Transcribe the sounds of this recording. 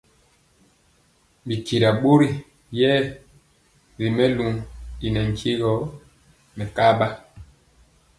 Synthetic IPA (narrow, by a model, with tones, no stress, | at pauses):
bi˨ki˨ɾa˨ɓo˦ɾi˦ | jɛː˦ | ɾi˨mɛ˦lu˨i˨nɛ˨ŋ˨kʰi˦ɣɔ˨˦ | mɛ˨ka˦ba˦